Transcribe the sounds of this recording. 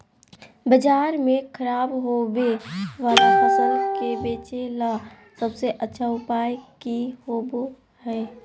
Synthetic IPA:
bəd͡ʒaːɾmẽkʰəɾaːbɦoweʋaːd̪abəsəɾkebeːt͡ʃela | səbseʔətːʃʰaʊpaːjkiɦoːbo | hɛː

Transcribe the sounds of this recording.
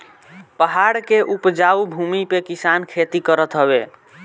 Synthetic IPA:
pəɦaɽkeʔupd͡ʒaubʱumipekisankʰet̪ikəɾət̪ɦəbe

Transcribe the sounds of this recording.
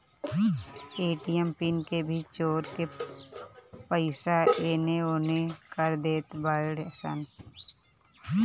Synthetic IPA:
eːʈijɛmpɪnkebʱit͡ʃoːɾke | pəɪsaeːneoːnekəɾd̪eːt̪baːɽəsa̰ːn

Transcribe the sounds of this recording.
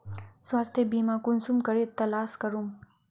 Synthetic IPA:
swaːst̪ʰebimãkunsumkɐɾet̪ːɐlaːskɐɾum

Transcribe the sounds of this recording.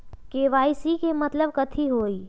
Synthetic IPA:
keːʋaːisikemɐt̪ləb̚kət̪ʰiɦoːiː

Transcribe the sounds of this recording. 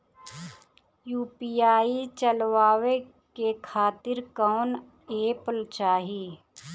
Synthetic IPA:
juːpiaːit͡ʃəlʋaːʋe | kekʰaːt̪ɪɾkaːn | eːpəlt͡ʃaːɦiː

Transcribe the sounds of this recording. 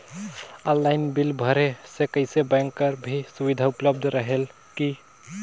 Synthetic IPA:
ɔ̃nlaːɪnbɪlbʱəɾesekəɪsebɛ̃ŋkːəɾbʱisʊʋid̪ʱaʊpləb̚d̪ʱɾəɦel | ki

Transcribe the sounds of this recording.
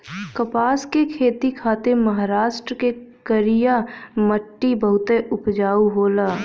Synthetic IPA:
kəpaːskekʰeːt̪ikʰaːt̪eməɦaːɾaːʃʈɾəkekəɾijaməʈːibəɦʊt̪eʔʊpd͡ʒaːuɦoːlaː

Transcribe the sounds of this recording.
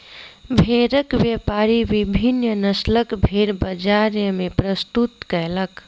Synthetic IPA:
bʱeɾəkʋjəpaɾiʋibʱinːjənəsləkbʱeɾbəd͡ʒaɾjəmepɾəst̪ut̪kəɦlək

